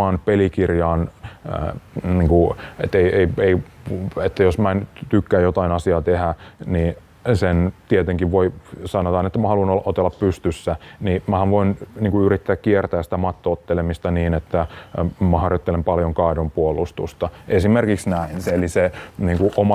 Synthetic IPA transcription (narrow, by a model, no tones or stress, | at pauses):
ɑnpelikirjɑːn̰ | niːŋkuet̪ːeieieiet̪ːæjosmænt̪ykːæːjot̪ɑinɑsiɑːt̪ehæniː | sent̪iet̪eŋkiʋʋoisɑnot̪ɑːnet̪ːæmæhɑluinolːɑʔot̪elːɑppyst̪ysːænimæhæʋʋoinniːŋkuyrit̪ːæːkkiert̪æːsi̥t̪æmɑt̪ːoot̪ːelemist̪ɑniːnet̪ːæmæhɑrjot̪ːelempɑljoŋkɑidompuolust̪ṵst̪ɑʔesimerkiksnæinseeliseniːŋkuʔomɑ